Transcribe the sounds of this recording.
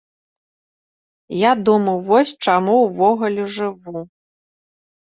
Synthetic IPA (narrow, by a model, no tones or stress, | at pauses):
jad̪umɐwvɔsʲt͡ʂamuwvɔɣulʲɛʐɨvu